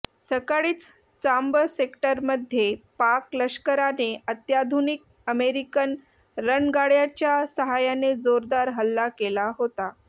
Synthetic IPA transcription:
səkaɭiːt͡s | t͡sambəsekʈəɾməd̪ʱjepakləɕkəɾaneʔət̪jad̪ʱunik̚ | əmeɾikən | ɾənɡaɽjat͡ɕjasəɦajaned͡zoɾd̪aɾɦəlːakelaɦot̪a

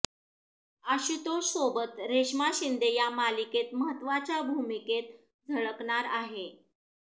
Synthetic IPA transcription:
əɕit̪osobət̪ɾeɕmaɕind̪ejamaliket̪məɦət̪ːʋat͡ɕjabʱumiket̪̚ | d͡zʱəɭəkɳaɾaɦe

